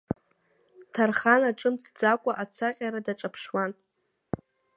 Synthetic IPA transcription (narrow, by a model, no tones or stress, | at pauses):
tʰarχanaʈ͡ʂʼɨmt͡sʰd͡zakʷʼaʔat͡sʰaqʲʼaɾadaʈ͡ʂʼapʰʂwan